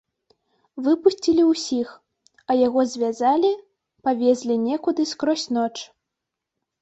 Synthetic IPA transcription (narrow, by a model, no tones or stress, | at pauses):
vɨpusʲt͡sʲilʲiwsʲix | ɐjaɣɔzʲvʲazalʲi | pavʲɛzʲlʲinʲɛkud̪ɨskɾɔsʲnɔt͡ʂ